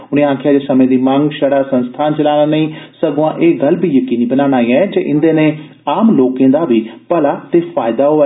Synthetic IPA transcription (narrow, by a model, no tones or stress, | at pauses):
ʊɽ̃eãːkʰjaːd̪eːsəmẽːd̪imãŋɡʃəɽaːsə̃nst̪ʰaːnt͡ʃɐlaːɽ̃anəĩːsəɡoãʔeːɡɐlbʱijəkiːniːbənaːɽ̃aːĩɛd͡ʒeːʔɪ̃nd̪eːnẽː | aːmloːkẽːd̪aːbʱiːpɐlaːt̪eːfaːɪd̪aɦoːɛ